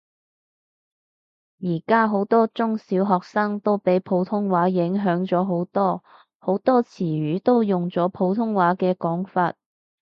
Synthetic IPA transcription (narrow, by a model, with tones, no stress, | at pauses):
jiː˨˩kaː˥ɦo˨˥wt̪ɔː˥t͡sʊ˥ŋsiː˨˥wɦɔː˨k̚saː˥ŋt̪o˥wpe˨˥jpʰo˨˥wt̪ʰʊ˥ŋwaː˨˥jɪ˨˥ŋɦœː˨˥ŋt͡sɔː˨˥ɦo˨˥wt̪ɔː˥ | ho˨˥wt̪ɔː˥t͡sʰiː˨˩ɥyː˨˥t̪o˥wjʊ˨ŋt͡sɔː˨˥pʰo˨˥wt̪ʰʊ˥ŋwaː˨˥kɛː˧kɔː˨˥ŋfaː˧t̚